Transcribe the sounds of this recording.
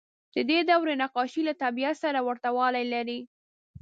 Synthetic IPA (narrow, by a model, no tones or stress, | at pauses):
d̪̥əd̪ed̪awɾenaqɑʃilat̪abiat̪saɾawaɾt̪awɑlajlaɾi